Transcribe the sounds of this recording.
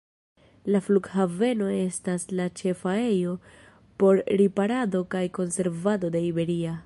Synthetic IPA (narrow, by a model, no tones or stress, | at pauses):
lafluɡhave̞no̞e̞staslat͡ʃe̞fae̞jo̞ | po̞ɾɾipaɾado̞kajko̞nse̞ɾvado̞de̞ibe̞ɾia